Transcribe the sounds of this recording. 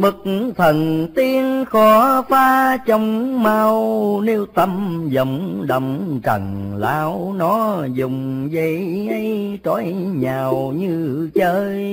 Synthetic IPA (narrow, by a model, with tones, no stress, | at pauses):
ɓɨ˨˩k̚t̪ʰə˨˩nt̪i˧ənxɔ˨˦faː˧t͡ɕɔ˧wŋ͡mmaː˧wni˧wt̪ə˧mzə˨˩wŋ͡mɗə˨˩wŋ͡mt͡ɕə̰˨˩ŋlaː˨˦wnɔ˨˦zʊ˨˩ŋ͡m | zə˨˦ | ʔa˧j | t͡ɕɔ˨˦j | ɲaː˨˩wɲɨ˧t͡ɕəː˧j